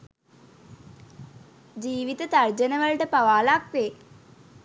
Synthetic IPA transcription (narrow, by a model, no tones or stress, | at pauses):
d͡ʑiːʋid̪ɐt̪ɐrd͡ʑɐnɐʋɐɭɖɐpɐʋaːlaːk̚ʋeː